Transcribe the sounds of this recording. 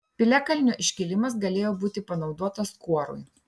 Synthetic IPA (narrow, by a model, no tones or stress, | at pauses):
pʲɪlʲækɐlʲnʲoːʔɪʃʲkʲɪlʲɪmɐs̬ɡɐlʲeːjoːbuːt̪ʲɪpɐnɒʊd̪uɔt̪ɐskuɔɾʊ̰j